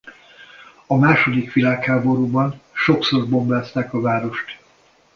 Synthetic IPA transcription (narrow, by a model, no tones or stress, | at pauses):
ɒmaːʃo̞d̪ikʋilaːkhaːbo̞ɾuːbɒnʃo̞kso̞rbo̞mbaːst̪aːkɒvaːɾo̞ʃt̪